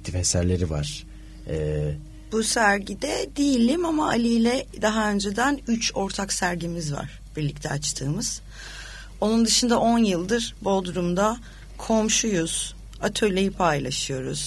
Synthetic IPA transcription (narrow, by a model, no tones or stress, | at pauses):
ct̪ʰifesæɾlʲe̞ɾiva̰ɾ̥ | ɛ | b̥usæɾɟid̪ɛd̪ijilʲimamaʔːlʲijlʲɛd̪aɦaø̞nd͡ʒed̪ænyt͡ʃʰo̞ɾt̪ʰaksæɾɟimizva̰ɾ̥b̥iɾlʲic̚t̪ʰɛat͡ʃt̪ʰɯːmɯz̥ | o̞nund̪ɯʃɯnd̪aʔo̞njɯlˠd̪ɯɾbo̞lˠd̪uɾumd̪a | kʰo̞mʃujuz̥ | at̪ʰø̞jlʲejipʰajlˠaʃɯjo̞ɾuz̥